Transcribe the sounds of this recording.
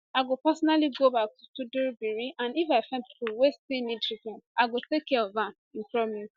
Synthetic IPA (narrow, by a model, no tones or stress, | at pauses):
aɪɡopɛsɔnaliɡobak̚tutudebiɹiʔãnifaɪfɛ̃npipuwestinĩtɹikɔ̃naɪɡotekːɛɔvãn | ĩnpɹɔmu